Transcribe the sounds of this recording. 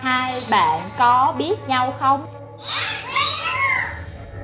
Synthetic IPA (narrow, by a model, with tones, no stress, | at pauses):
haː˧jɓa̰ː˧˨nkɔ˨˦ɓi˦˥ət̚ɲa˧wxə˧wŋ͡m